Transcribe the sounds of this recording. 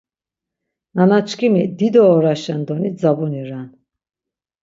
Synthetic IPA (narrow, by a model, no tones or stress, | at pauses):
nanat͡ʃʰkʰimid̪id̪ɔːɾaʃɛnd̪ɔnid͡zabuniɾan